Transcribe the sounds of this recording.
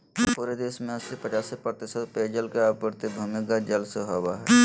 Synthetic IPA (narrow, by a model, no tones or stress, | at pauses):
puɾed̪eːʃmẽəsipət͡ʃaːsepɾt̪ɪsət̪ped͡ʒəlkeapəɾt̪ebʱʊmɪkad͡ʒəlsəɦowaɦɛ